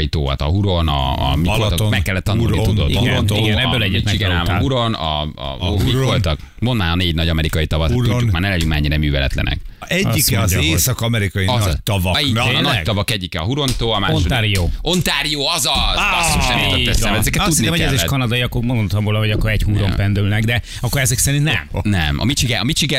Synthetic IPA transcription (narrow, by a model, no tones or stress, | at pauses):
jit̪o̰ːɒ̰t̪ɒɦuɾonɒ̰ːmifolt̪mɛkːɛlːɛt̪ːɒnuutud̪o̰t̪uoiɡɛnɛbøːlɛɟːit̪mɛiɡɛnaːmɦuɾo̞nɒ̰ | mivolt̪ɒk | mo̞nd̪maːɾɒneːɟnɒɟɒmɛɾikɒjit̪ɒvɒsuukmaːrnɛlɛːuŋkma̰ːɲːiɾɛmyːvɛlɛ̰t̪lɛ̰nʔɛ̰k | ɛɟizeːsɒkɒmɛɾikɒjit̪ːvɒinɒcɡ̪ɒvɒkɛɟːikɛɒɦuɾo̞nt̪oːɒmaːnʃodt̪aɾijoːo̞nt̪aːɾijoːɒzɒzɒsʃɛit̪ɔɛsɛmɛɛzɛkɛt̪ud̪nioɛleːʃkɒnɒd̪ɒjiɒkːoɾmond̪ot̪ɒmvoːlɒɦoɟɒkːoɾɛchuɾompɛnd̪ylnɛɡd̪ɛ | ɒkːoɾɛzɛksɛɾint̪nɛ̰mnɛmɒ̰mit͡ʃiɡɛɒmit͡ʃiɡɛ